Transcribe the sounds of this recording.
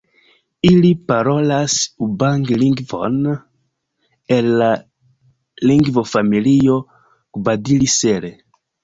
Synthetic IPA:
ilipaɾɔlasubaŋɡliŋɡvɔ̰na | ela | liŋɡvofamilio | kubad̪ilisɛɾe

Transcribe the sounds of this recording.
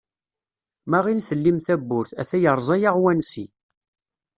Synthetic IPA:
mæʁinsəlːimθæbːʊɾθæ̰θæjəɾˤzˤɑjaʁwænsḭ

